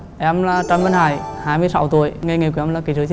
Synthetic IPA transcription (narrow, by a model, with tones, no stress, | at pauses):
ʔɛ˧mlaː˨˩t͡ɕa˧mva˧nhaː˧˩jhaː˧jmɨ˧əjsa˧˦wt̪u˧˩˨əjŋa˧jŋi˨˩kɛ˧mlaː˨˩ki˨˦zɨ˨˦t͡ɕi˧